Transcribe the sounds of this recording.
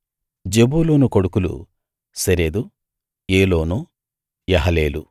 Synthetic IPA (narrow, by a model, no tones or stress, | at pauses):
d͡ʒebuːloːnukoɽukulṵ | sɐɾeːd̪u | eːloːnu | jɐɦɐleːlu